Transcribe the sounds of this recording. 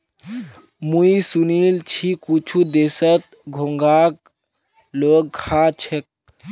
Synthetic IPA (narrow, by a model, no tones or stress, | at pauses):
muisunilt͡ʃʰikut͡ʃʰud̪esət̪̚ | ɡʱoŋɡak̚ | loɡ̚ːʰʱat͡ʃʰek̚